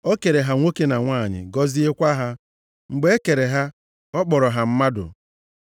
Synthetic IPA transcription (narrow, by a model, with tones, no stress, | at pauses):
o˦ke˨ɾe˨ɦa˨ŋʷo˦ke˦na˨ŋʷaː˦˨ɲɪ̰˨ɡɔ˦zi˦e˦kʷa˦ɦa˦ | ŋ͡m̩˨ɡ͡be˦e˦ke˨ɾe˨ɦa˦ | ɔ˦k͡pɔ˨ɾɔ˨ɦa˨m̩˦ma˦dʊ̰˨